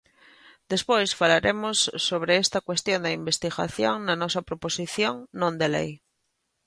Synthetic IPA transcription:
d̪̥espojsfalaɾemosːoβ̞ɾeest̪akwest̪jõnd̪eimbest̪iɣa̰θjõŋnanɔsapɾoposiθjoŋnõnd̪elḛj

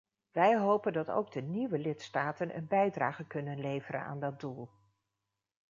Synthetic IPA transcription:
ʋɛjɦowpəndɑto̰wɡ̚dəniʋəlɪtstaːtənʔə̰nbɛjdraːχəkɵnənlejvərə̰na̰ːndɑd̚dulˠ

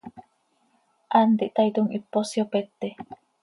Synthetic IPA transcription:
ʔant̪iʔt̪ajt̪uŋʔipːosjopet̪ːe

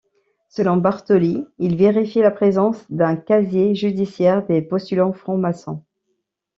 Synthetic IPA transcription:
səlɔ̃baʁt̪ɔliilveʁifilapχezɑ̃sd̪ɛ̃kazjeʒyd̪isjɛʁd̪epɔst̪ylɑ̃fχɔ̃masɑ̰̃

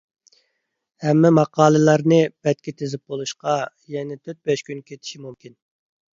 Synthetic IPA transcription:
hɛmːɛmɑqʰɑːlˠɨlˠɑɾnɨb̥ɛt̪̚kʲit̪ʰezɪp̚bolˠuʃqɑ | jɛnɪt̪ʰøɾt̪̚bɛʃkʲynkʲʰet̪ʰɪ̥ʃimumkʲʰin

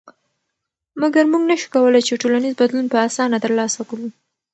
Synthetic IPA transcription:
maɡaɾmuɡnaʃu̥kawəlajt͡ʃeʈolanizbad̪lunpəasɑnat̪əɾlɑsakɽu

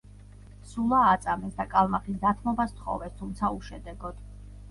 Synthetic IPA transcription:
sulˠaːt̪sʼamɛsd̪akʼalˠmaχisd̪at̪ʰmɔbast̪ʰχɔ̰vɛst̪ʰumt̪sʰauʃɛd̪ɛɡɔd̪̥

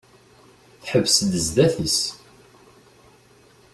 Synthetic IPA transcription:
θħəvsəd̪əzd̪æθis

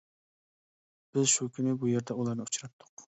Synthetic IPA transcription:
b̥ɪzʃukʲʰynɪbujeɾd̪ɛulˠɑɾnɨut͡ʃʰɾɑt̪ʰːʊ̥q

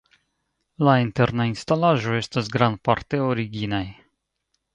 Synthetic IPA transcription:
lainte̞ɾnainstalaʒo̞e̞stasɡɾand̚paɾte̞oɾiɡinaj

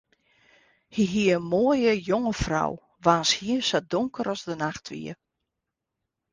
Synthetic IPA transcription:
hiɦiəmoːəjəjoŋəfra̰w | ʋaːnshiəsadoŋkəɾɔzdənaxtʰʋḭə

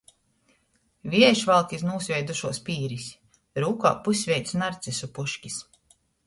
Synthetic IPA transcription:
vʲiɛjʃvalˠkʲisnuːsʲvʲɛjd̪uʃuɔspʲiːɾis | ɾuːka̰ːpusʲvʲɛjt̪snaɾt̪sisupuʃkʲis

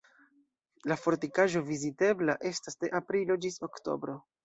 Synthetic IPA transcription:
lafo̞ɾtikaʒo̞vizite̞blaʔe̞stasde̞ʔapɾilo̞d͡ʒiso̞kto̞̰bɾo̞

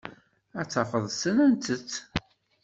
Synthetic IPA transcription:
æt͡sːɑfəðˤsənænt̪ət͡sː

